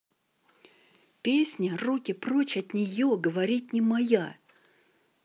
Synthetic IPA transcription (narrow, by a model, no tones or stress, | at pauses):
pʲesʲnʲərukʲɪprot͡ɕɐt̪nʲɪjoɡəvɐɾʲit̪ʲnʲɪmɐja